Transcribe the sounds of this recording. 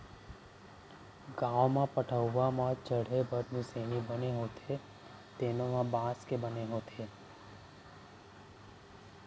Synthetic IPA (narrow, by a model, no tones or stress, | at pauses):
ɡãʋmãpəʈʰəwːãmãt͡ʃəɽ̤ebʱəɾnũsenibəneɦõt̪ʰe | t̪enomãbãskebəneɦõt̪ʰe